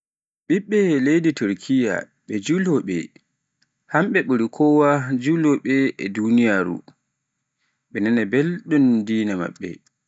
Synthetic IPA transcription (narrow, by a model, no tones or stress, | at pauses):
ɓiɓːɛlejdituɾkʰija̰ | ɓɛd͡ʒulɔɓɛ̰ | hamɓɛɓuɾikʰɔwad͡ʒulɔɓɛɛdunijaːɾṵ | ɓɛnanabelɗundiːnama̰ɓːɛ̰